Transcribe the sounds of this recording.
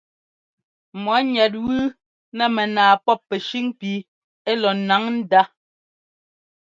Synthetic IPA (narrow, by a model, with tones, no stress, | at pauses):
mɔ˨˦ɲɛ˨t̬̚wʉː˦ | nɛ˦mɛ˨naː˨pɔ˦pːɛ˨ʃi˦ŋpi˨˦ | e˦lɔ˨na˨˦ŋn̩˦da˦